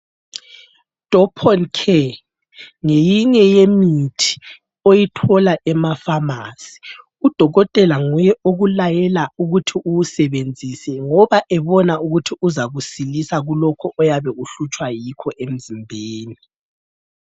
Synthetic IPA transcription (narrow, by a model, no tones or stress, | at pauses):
d̥ʱɔpʰɔnkʰɛ | ŋejiɲɛjemitʰi̥ | ojitʰɔlaʔɛmafamasi̥ | ud̥ʱɔɣɔtʼɛlaŋujɛʔoɣulajɛlauɣutʰiʔuwusɛβend͡zʱisɛŋɔβaʔɛβɔnauɣutʰiuzaɣusilisaɣulɔkʰɔʔɔjaβɛuɬut͡ʃʼwajikʰɔʔem̩zimbʱeːni